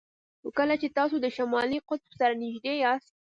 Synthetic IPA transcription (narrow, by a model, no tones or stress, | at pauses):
xokəlat͡ʃet̪ɑsod̪əʃamɑliqʊt̪fsaɾanɪʒd̪ejɑst̪̚